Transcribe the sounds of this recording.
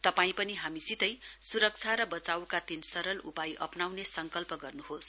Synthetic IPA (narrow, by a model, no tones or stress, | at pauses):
t̪ʌpaĩpʌniɦamisit̪ʌjsuɾʌk̚t͡sʰaɾʌbʌt͡sawkat̪insʌɾʌlṵpajʔʌpnawnesʌŋkʌlpʌɡʌrnuɦos